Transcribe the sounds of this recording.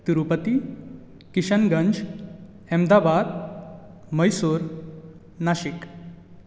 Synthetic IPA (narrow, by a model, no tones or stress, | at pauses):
t̪iɾupət̪i | kiɕənɡə̃ɲd͡ʑ | ɛmd̪abad̪ | məjsuɾ | naɕik